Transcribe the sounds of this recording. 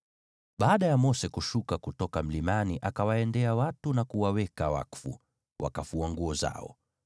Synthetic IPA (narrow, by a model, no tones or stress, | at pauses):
ɓaːɗajamɔsɛkuʃukakutɔkam̩limaniʔakawaɛndɛawatunakuwawɛkawa̰kfṵ | wʔa̰kafuaŋɡuɔza̰ɔ̰